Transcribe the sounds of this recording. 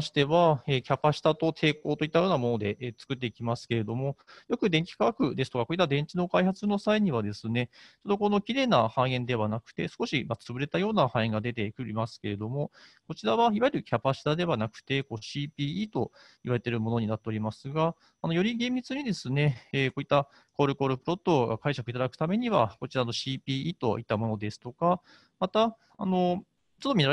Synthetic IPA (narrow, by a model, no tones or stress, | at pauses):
ɕi̥t̪e̞βae̞ːkʲapaɕi̥t̪at̪o̞t̪ʰe̞ːko̞ːt̪o̞it̪ːajo̞ːnamo̞no̞d̪e̞ʔːt͡sɨ̥kɯ̟t̪ːe̞ikʲimasɨ̥ke̞ɾe̞d̪o̞mo̞jo̞kɯ̟d̪eŋkʲi̥kaakɯ̟d̪e̞sɨ̥t̪o̞kakoit̪ːad̪ẽ̞ɲt͡ɕino̞kaihat͡sɨno̞saiɲ̟iβad̪e̞sɨne̞t͡ɕod̪okono̞kʲiɾe̞ːnahãɰ̃ẽ̞nd̪e̞βanakɯ̟̥t̪e̞sɨ̥ko̞ɕimat͡sɨbɯ̟ɾe̞t̪ajo̞ːnahãĩŋɡad̪e̞t̪̬e̞kɯ̟ɾʲimasɨ̥ke̞ɾe̞d̪o̞mo̞ko̞t͡ɕiɾaβaiβajeɾɯ̟kʲapaɕi̥t̪ad̪e̞βanakɯ̟̥t̪e̞ko̞ːɕiːpʲiːiːt̪o̞ | iβaɾe̞t̪e̞ɾɯ̟mo̞no̞ɲ̟inat̪ːe̞o̞ɾʲimasɨɡaː | no̞jo̞ɾʲiɡẽ̞mbʲit͡sɨɲ̟id̪e̞sɨne̞ːko̞ːit̪ːa | ko̞ːɾɯ̟ko̞ːɾɯ̟pɯ̟ɾo̞t̪ːo̞ɡakaiɕakɯ̟it̪ad̪akɯ̟̥t̪ame̞ɲ̟iβako̞t͡ɕiɾano̞ɕiːpʲiːiːt̪o̞̰it̪ːamo̞no̞d̪e̞sɨ̥t̪o̞ka | mat̪aː | no̞ | t͡ɕot̪ːomʲi